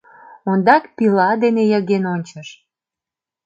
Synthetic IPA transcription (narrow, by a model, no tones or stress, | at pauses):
ond̪ɑkpilɑd̪enejəɣenonʲt͡ɕəʃ